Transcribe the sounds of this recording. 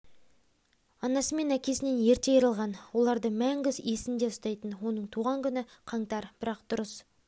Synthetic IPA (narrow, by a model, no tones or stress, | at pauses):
ɑnɑsəme̞nækʲe̞sɪne̞nje̞ɾt̪ejəɾəlˠʁɑnwo̞lˠɑɾd̪əmæŋɡʲɪzesɪnd̪e̞ʊst̪ɑjt̪ənwo̞nəɴt̪ʰuʁɑŋkʲʰʏnɪqʰɑɴt̪ɑɾb̥ɪɾɑqd̪̥ʊɾəs